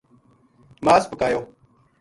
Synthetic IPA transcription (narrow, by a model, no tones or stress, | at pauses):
maːsbəkaːjoː